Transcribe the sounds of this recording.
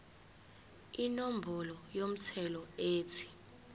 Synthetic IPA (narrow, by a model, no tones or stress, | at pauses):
inom̩bʱɔlɔjom̩t͡sʰɛlɔeːtʰi̥